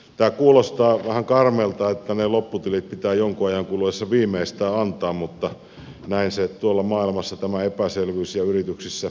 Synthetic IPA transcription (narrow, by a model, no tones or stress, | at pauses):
t̪æːkuːlost̪ɑːʋæhæŋkɑrmeːlt̪ɑet̪ːænelopːut̪ilit̪̚pit̪æːjoŋkuɑjɑŋkuluʋesːɑʋiːmˑeist̪æːɑnt̪ˑɑːmmut̪ːɑ | næˑinset̪uolːɑmɑːˑilmɑsːɑt̪æmæepæselʋyːsjɑyrit̪yksisːæ